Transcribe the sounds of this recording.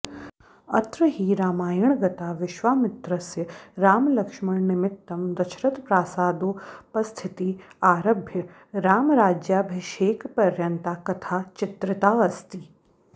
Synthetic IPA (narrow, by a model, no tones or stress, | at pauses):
ɐt̪ɾəɦiːɾaːmaːjɐɳ̃ɡɐt̪aːʋɪʃʋaːmɪt̪ɾəsjəɾaːmlɐkʃmɐɽnɪmɪt̪ːɐmd̪ɐt͡ʃʰɾɐt̪pɾaːsaːd̪oːpɐst̪ʰɪt̪iaːɾɐbʱjə | ɾaːmɾaːd͡ʒjaːbʱɪʃeːkpɐɾjɐnt̪aːkɐt̪ʰaːt͡ʃɪt̪ɾɪt̪aːɐst̪iː